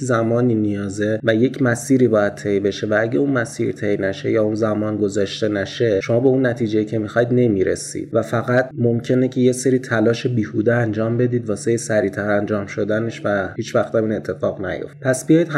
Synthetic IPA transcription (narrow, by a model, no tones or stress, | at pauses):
zæmɒːniːnijɒːze̞væje̞cʰmæsiːɾiːbɒːjæd̪̚t̪ʰe̞jbe̞ʃe̞vææɟeunmæsiːɾḭt̪ʰe̞jnæʃe̞jɒːunzæmɒːnɡo̞zɒːʃt̪e̞næʃe̞ʃo̞mɒːbeunːæt̪ʰiːd͡ʒe̞jiːcʰe̞mixɒjd̪ne̞miːɾḛsḭd̪væfæɣæt̪ʰmo̞mcʰe̞ne̞cʰe̞je̞seɾiːt̪ʰælɒːʃebiːhud̪eænd͡ʒɒːmbe̞d̪iːd̪vɒːsejesæɾiːt̪ʰæɾænd͡ʒɒːmʃo̞d̪æne̞ʃvæhiːt͡ʃvæxt̪æmiːne̞t̪ʰːe̞fɒːɣnæ̰jo̞̰ft̚pʰæsbijɒːjid̪